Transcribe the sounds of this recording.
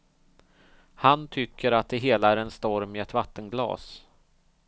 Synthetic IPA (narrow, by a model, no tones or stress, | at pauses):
hant̪ʰʏkʰːəɾat̪̚d̪ɛɦeːlaæɾɛnst̪ɔɾmɪɛt̪vat̪ːənɡlɑ̰ːs